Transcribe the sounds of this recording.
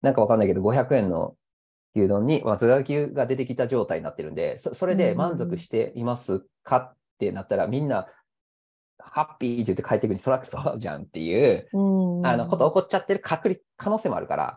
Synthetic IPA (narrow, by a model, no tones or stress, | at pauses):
nãŋkaβakaɾanaikeoɡo̞çʲakɯ̟ẽ̞nːo̰ | kʲɨːd̪õ̞ɲ̟ːimazɨɡakʲɨːɡad̪e̞t̪e̞kʲit̪aʑo̞ːt̪aiɲina̰t̪ːe̞ɾɯ̟nd̪e̞̰soso̞ɾe̞d̪e̞mãnzo̞kɯ̟ɕi̥t̪e̞ʔimasɨ | kʰat̪ːe̞nat̪ːaɾamʲĩnːa | hapʲːiːt̪ːojɨ̟t̪ːekaet̪ːekɯ̟ɲ̟ːiso̞ɾakɯ̟̥soβaʑã̰nt̪ːe̞̰jɯː | ano̞hot̪ːoːko̞t͡ɕat̪ːe̞ɾɯ̟kʰakɯ̟ɾʲi | kʰano̞ːseːmo̞a̰ɾɯ̟ka̰ɾa̰